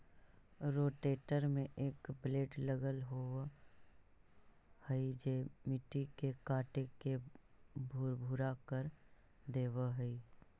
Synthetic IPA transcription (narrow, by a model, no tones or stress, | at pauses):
ɾoːʈeːʈəɾmẽʔeːkbleːɖləɡəlɦo | həid͡ʒeːmɪʈikekaːʈekebʱʊɾbʱʊɾakəɾ | d̪eːwəɦəi